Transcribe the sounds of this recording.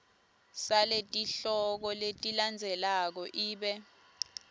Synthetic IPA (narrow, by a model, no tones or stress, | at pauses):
saletʼiɬɔk̬ɔletʼiland͡zʱɛlak̬ɔʔiːɓɛ